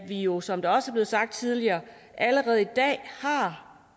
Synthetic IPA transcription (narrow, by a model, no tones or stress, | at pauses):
ʋijo̝sɒ̽md̥ɑ̈ɒ̽səæɐb̥le̝ːsɑ̈ɡ̥̚d̥̚t͡sʰið̞ˠliɐː | ʔæləʁɛːð̩ˠid̥ɛ̰ːhɑ̈